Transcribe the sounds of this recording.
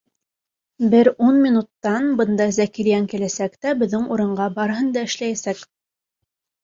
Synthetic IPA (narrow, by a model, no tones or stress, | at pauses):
bɘɾunmʲinut̪ːɑnbɤ̆nd̪ɑzækiɾjæŋkilæsækt̪æbɘ̆ðːɘŋuɾɤ̆ɴɢɑbɑɾɦɤnd̪ɑɘ̆ʃlæjæsæk